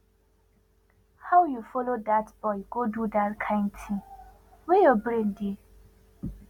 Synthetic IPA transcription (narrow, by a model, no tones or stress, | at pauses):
hawjufɔlodatb̥ɔɪɡodudatkʰãɪ̃ntʰi | wejobɾẽnde